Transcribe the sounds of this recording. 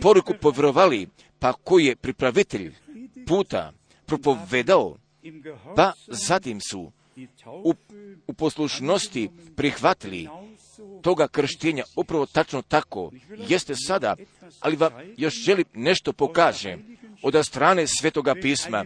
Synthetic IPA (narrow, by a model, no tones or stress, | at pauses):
po̞ɾukupo̞ʋɾoʋali | pako̞jije̞pɾipɾaʋit̪eʎpuːt̪a̰ | pɾo̞po̞ʋe̞d̪ao̰ | pazat̪imsṵ | upo̞sluʃno̞st̪ipɾixʋat̪ilḭ | t̪o̞ɡakr̩ʃt̪eːɲaupɾaʋo̞t̪at͡ʃno̞t̪ako̞̰je̞st̪esad̪a̰a̰liʋamjo̞ʃʒe̞limne̞ʃt̪o̞po̞kaːʒḛod̪ast̪ɾaːne̞sʋʲeːt̪o̞ɡapiːsma